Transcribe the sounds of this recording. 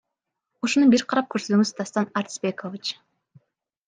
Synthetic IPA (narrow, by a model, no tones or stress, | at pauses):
uʃonubiɾqʰɑɾɑp̚køɾsøt̪yŋyzt̪ɑst̪ɑnaɾt̪sbekovit͡ʃ